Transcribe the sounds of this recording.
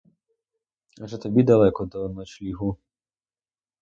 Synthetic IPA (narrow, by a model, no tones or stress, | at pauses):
ɐʒɛt̪ɔbʲid̪ɐlˠɛkɔd̪ɔnɔt͡ʃlʲiɦu